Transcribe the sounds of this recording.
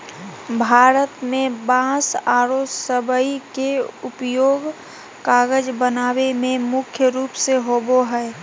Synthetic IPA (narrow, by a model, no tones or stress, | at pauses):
bʱaːɾət̪mẽbãːsaːɾosəbəikeʊpjoːɡ | kaːɡəd͡ʒbənaːwemẽmʊkʰjəɾuːpseɦoːboɦɛ